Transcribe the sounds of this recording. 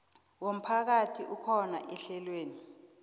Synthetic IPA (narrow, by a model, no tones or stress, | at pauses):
wom̩pʰak̬atʰiʔukʰɔna̰ʔɛɬɛlweːni